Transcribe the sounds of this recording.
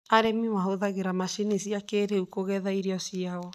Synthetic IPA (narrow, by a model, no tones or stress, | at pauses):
aɾɛmiwaɦoðaɣeɾamaʃinesiakeɾeukoɣɛðaiɾeɔsiaɔ